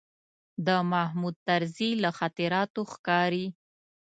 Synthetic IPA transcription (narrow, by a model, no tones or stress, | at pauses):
d̪əmahmud̪̚t̪aɾzilaxat̪ɪɾɑt̪oxkɑɾi